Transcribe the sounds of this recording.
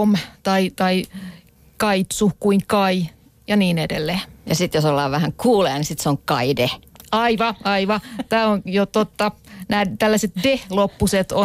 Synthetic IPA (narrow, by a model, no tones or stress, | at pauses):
omt̪ɑit̪ɑi | kɑit̪sukuiŋkɑi | jɑniːnedḛlːeːjɑsit̪josolːɑ̰ːʋʋæhæŋkʰuːleɑnisit̪seoŋkɑ̰ideɑiʋɑɑiʋɑt̪æːonjot̪ot̪ːɑnæːt̪ælːæset̪dehlopːuset̪o